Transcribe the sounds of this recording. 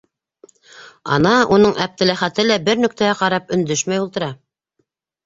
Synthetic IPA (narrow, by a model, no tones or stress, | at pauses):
ɑ̰nɑun̪ɤɴʔæb̚t̪ɘ̆læχæt̪ɘlæbɘɾnɵ̆k̚t̪ææqɑɾɑpɵ̆nd̪ɵʃmæjulˠt̪ɤ̆ɾɑ